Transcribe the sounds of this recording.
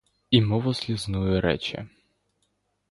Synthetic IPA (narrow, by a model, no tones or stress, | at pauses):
imɔʋɔzʲlʲiznujʊɾɛ̰t͡ʃɛ̰